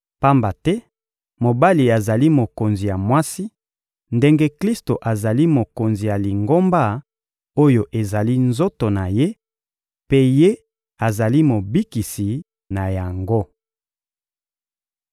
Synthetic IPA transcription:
pa˦mba˨tɛ˦ | mo˨ba˦li˨a˨za˨li˦mo˨ko˨nzi˨ja˨mwa˦si˦ | nde˦ŋɡe˦kli˦sto˨ʔa˨za˨li˦mo˨ko˨nzi˨ja˨li˨ŋɡo˦mba˦ | o˦jo˨ʔe˨za˨li˦nzo˦to˨na˨je˦ | pe˦je˦ | a˨za˨li˦mo˨bi˦ki˨si˨ | na˨ja˨ŋɡo˦

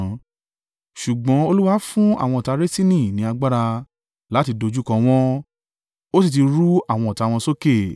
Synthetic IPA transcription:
ʃu˨ɡ͡bɔ̃˨˦o˧lu˦wa˦fũ˦a̰˦˨w̃ɔ̃˧ɔ˨ta˧ɾe˦si˦nĩ˦˨nĩ˨˦a˧ɡ͡ba˦ɾa˧ | la˨˦ti˧do˧d͡ʒu˦kɔ̃˧w̃ɔ̃˦ | o˦s̬i˦˨t̬i˧ɾu˦a˦˨w̃ɔ̃˧ɔ˨ta˧wɔ̃˧so˦ke˦˨

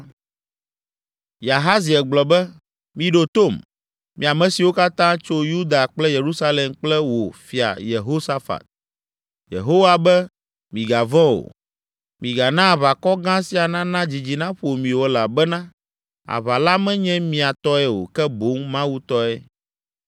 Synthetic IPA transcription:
ja˨ɦa˦zi˨ɛ˨ɡ͡blɔ˨bɛ˦ | mĩ˨ɖo˨t̪o˦˨m | mḭ̃˨a˨mɛ̃˦si˨wo˦ka˦t̪ã˦t͡ʃo˦ju˦d̪a˨k͡plɛ˦je˨ɾu˦sa˦lɛ˨mk͡plɛ˦wo˨fi˨a̰˨je˨ɦo˦sa˦fa̰˨t̪̚ | jḛ˨ɦo˦wa˨bɛ˦ | mĩ˨ɡa˨vɔ̃˦o̰˨ | mĩ˨ɡa˨nã˦˨βa˨kɔ˦ɡã˦si˦a˨nã˦nã˦d͡ʑi˨d͡ʑi˨nã˦ɸo˨mĩ˨wo˨la˨bɛ˦nã˦ | a̰˨βa˨la˦mɛ̃˦ɲɛ̃˦mĩ˨a˨t̪ɔ˦ɛ˨wo̰˨kɛ˦bo˨˦ŋmã˦wu˦t̪ɔ˦ɛ˦

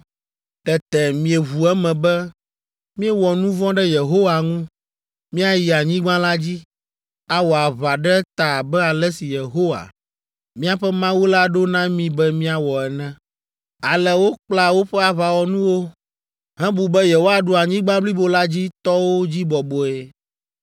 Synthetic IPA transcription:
t̪ɛ˨t̪ɛ˨mĩ˨e˨βu˨ɛ˦mɛ̃˨bɛ˦ | mĩ˦ɛ˦wɔ˨nũ˦vɔ̃˦ɖɛ˦je˨ɦo˦wa˨ŋũ˦ | mĩ˦a˨ji˨a˨ɲĩ˦ɡ͡bã˦la˦d͡ʑi˦ | a˦wɔ˨a˨βa˨ɖɛ˦t̪a˨bɛ˦a˨lɛ˦si˨je˨ɦo˦wa̰˨ | mĩ˦a˨ɸɛ˦mã˦wo˦la˦ɖo˦nã˦mĩ˦bɛ˦mĩ˦a˨wɔ˨ɛ˨nɛ̃˦ | a˨lɛ˨wo˦k͡pla˨wo˦ɸɛ˦a˨βa˨wɔ˨nũ˦wo˦ | ɦɛ̃˦bu˨bɛ˦je˨ɦo˦a˨ɖo˨a˨ɲĩ˦ɡ͡bã˦bli˦bo˨la˦d͡ʑi˦t̪ɔ˦wo˦d͡ʑi˦bɔ˨bo˨e˨

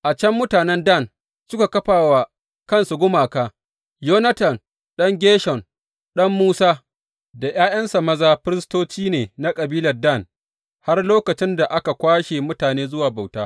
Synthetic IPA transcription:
ʔa˨t͡ʃɛ˦mːʊ˦taː˨nɛ˦nda˦˨n | sʊ˦ka˨kɐ˦ɸaː˨wa˨ | kɐ˦nsu˨ɡʷʊ˦maː˨kaː˦ | joː˦nɐ˦tɐ˨n | ɗɐ˦ŋɡʲeː˦ʃɔ˨n | ɗɐ˦mːuː˦saː˦ | da˨j̰aː˦jɐ˦nsa˨mɐ˦zaː˦ɸɪ˦ɾɪ˦stoː˦t͡ʃiː˦neː˨na˦kʼɐ˨biː˦lɐ˨rdɐ˦˨n | ha˦rloː˦kɐ˨t͡ʃɪ˦nda˨ʔa˦ka˨kʷaː˦ʃe˨mʊ˦taː˨neː˦zʊ˦waː˨ba˨wtaː˦

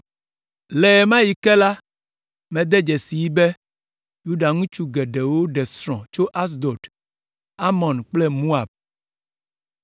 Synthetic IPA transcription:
lɛ˨mã˦ji˨kɛ˦la˦ | mɛ̃˨d̪ɛ˦d͡ʒɛ˨si˨ji˦bɛ˦ | ju˦ɖa˨ŋũ˦t͡ʃu˦ɡɛ˨ɖɛ˨wo˦ɖɛ˨sɾɔ̰̃˨t͡ʃo˦ʔa˦s̬d̪ɔ˨t | a˦mɔ̃˨nk͡plɛ˦mu˦a˨b̚

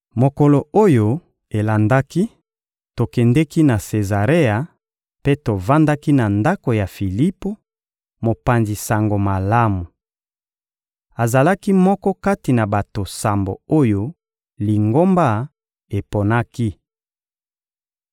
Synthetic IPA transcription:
mo˨kɔ˨lo˨o˦jo˨ | e˨la˨nda˦ki˦ | to˨kɛ˨ndɛ˦ki˦na˨se˨za˨ʁe˦a˨ | pe˦to˨va˦nda˦ki˦na˨nda˦ko˨ja˨fi˨li˦po˦ | mo˨pa˨nzi˨sa˨ŋɡo˨ma˨la˦mu˨ | a˨za˨la˦ki˦mɔ˦kɔ˦ka˦ti˨na˨ba˨to˨sa˨mbo̰˨o˦jo˦ | li˨ŋɡo˦mba˦ | e˨po˨na˦ki˦

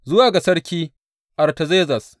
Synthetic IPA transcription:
zʊ˦waː˨ɡa˨sɐ˦rkʲiː˦ | ʔa˨rtɐ˨zeː˦zɐ˨s

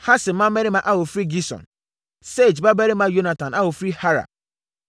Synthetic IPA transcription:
ha˦sɪ˨˦mã˦mɛ˦ɾi˦mã˨ʔa˦wo˨fɾi˦ɡi˦sɔ̰̃˨n | se˦˨d͡ʒba˦bɛ˦ɾɪ˦mã˦jo˦nã˨tʰã˨na˦wo˨fɾi˦ha˦ɾa̰˨

